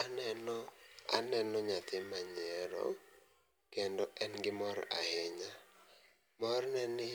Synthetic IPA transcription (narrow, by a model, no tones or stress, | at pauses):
anɛnɔanɛnɔɲat̪ɪmaɲɪɛɾɔ̰ | kendɔʔɛnɡɪmɔɾa̰hɪɲa | mɔrnɛnɪ